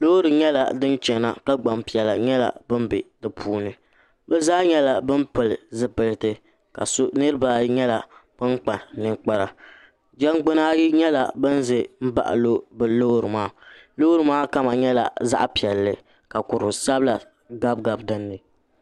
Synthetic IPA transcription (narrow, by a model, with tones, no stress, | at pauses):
lo˦ɾɨ˨ɲɛ˦la̰˨dɨ˦nt͡ʃɛ˨na̰˨ka˦ɡ͡ba˨mpi˨ɛ˨la˨ɲɛ˦la̰˨bɨ˦m˦bɪ˨dɨ˨pʰuː˦nɨ˨ | bɛ˦zaː˦ɲɛ˦la˨bɨ˦mpɨ˨lɨ˨zɨ˦pɨ˨ltɨ˨ | ka̰˨sʊ˦nɨ˦ɾɨ˦ba˨ɲɛ˦la˨b̥ɨ˦ŋk͡pa˨nɨ˦ŋk͡pa˦ɾa˨ | d͡ʒɛ˦ŋɡ͡bʊ˦naː˦ɲɛ˦la̰˨bɨ˦n˦zɨ˨m̩˦ba̰˨ʔa̰˨lo˦bɨ˦lo˦ɾɨ˨maː˦lo˦ɾɨ˨maː˦ka˦ma˨ɲɛ˦la̰˨za̰˦ʔa˦pi˨ɛ˨lːɨ˨ | ka˨kʊ˨ɾʊ˨sa˦bla˨ | ɡa˦b̚ɡa˨bdɨ˦nːɨ˨